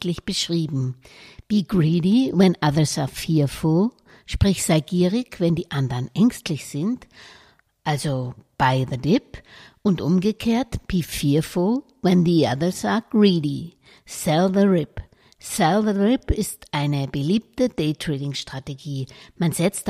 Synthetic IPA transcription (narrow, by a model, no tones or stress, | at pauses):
tlɪçb̥əʃʁ̥iːbm̩b̥iːɡɹiːdivɛnʔaðə˞saɡfiːɐfo | ʃpʁ̥ɪçz̥aɪɡiːʁɪçvɛndiːʔandɐnʔɛŋstlɪçz̥ɪnt | ʔalzob̥aɪðədɪpʊntʔʊmɡəkʰeːɐtb̥iːfiɐfo | vɛndiːʔaðə˞sz̥aɡ̚ɡ̥ʁiːdi | sɛlðəʁɪp | sɛlðəʁɪpɪstʔaɪnəbəliːp̚tədeɪtʰʁ̥edɪŋʃtʁ̥ateɡiːmanzɛt͡st